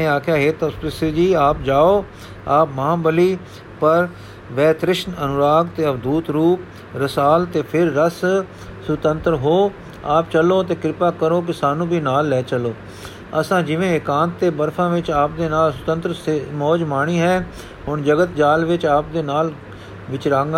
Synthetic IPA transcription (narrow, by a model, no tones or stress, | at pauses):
ẽːaːkʰjaːɦeːt̪aspɪsid͡ʒiːaːp̚d͡ʒaːoː | aːpmãːbəliː | pəɾ | ʋɛːt̪ɾɪʃnənʊɾaːɡt̪eːəbd̪uːt̪ɾuːp̚ | ɾəsaːlt̪eːpʰɪɾːəs | sʊt̪ənt̪ɾɦoː | aːpt͡ʃəloːt̪eːkɪɾɪpaːkəɾoːk̬ɪsaːnũːbiːnaːlːɛːt͡ʃəloː | əsãːd͡ʒɪʋẽːɪkãːnt̪ːeːbəɾpʰãːʋɪt͡ʃaːp̚d̪eːnaːlsʊt̪ə̃nt̪ɾsemɔːd͡ʒmaːɳ̃iːɦɛː | ɦʊɳd͡ʒəɡət̪d͡ʒaːlʋɪt͡ʃaːp̚d̪eːnaːl | ʋɪt͡ʃɾaːŋɡ